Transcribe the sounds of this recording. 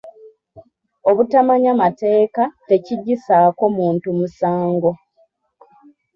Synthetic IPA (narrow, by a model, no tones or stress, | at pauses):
o̞βutamaɲamate̞ːkate̞ciɟːisaːko̞muːntumusaːŋɡo̞